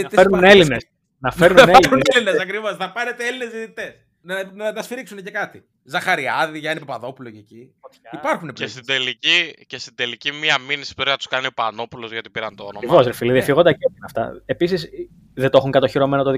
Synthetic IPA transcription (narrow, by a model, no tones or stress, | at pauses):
ɐfeɾnuunelines | nɐfe̞ɾnuneliunelinesɐkɾivosθɐpɐnet̪eelinezðit̪it̪es | nɐnɐɐt̪ɐsfiɾiksunecekɐt̪i | zɐxɐɾiɐðiʝɐenipepɐðo̞pulocecit̪ipɐɾxunepest̪id̪elicicest̪id̪e̞licimiɐminisi̥put̪ɾinɐt̪u̥skɐniopɐno̞pulozɣʝot̪i̥piɾɐnt̪oonomvoszɾefilɐðifiɣod̪ɐciotinɐft̪ɐ̰e̞pisis | ðet̪oxuŋkɐt̪o̞çiɾo̞menɐt̪oði